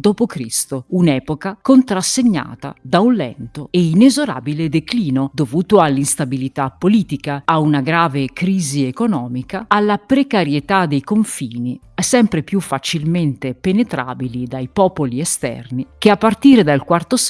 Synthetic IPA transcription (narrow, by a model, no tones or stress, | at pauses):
d̪oːpokɾist̪ounɛːpokakont̪ɾasːeɲːa̰ːt̪a̰d̪aunlɛ̰nt̪oeinezoɾa̰ːbiled̪ekliːnod̪ovuːt̪oalːinst̪abilit̪apːoliːt̪ikaːunaɡɾaːvekɾiːziekonɔːmikaalːapɾekaɾjet̪ad̪ejkoɱfiːni | ɛsɛmpɾepjufːat͡ʃilment̪epenet̪ɾa̰ːbilid̪ajpɔːpoliest̪ɛ̰rnik̟eapːart̪iːɾed̪alkwart̪os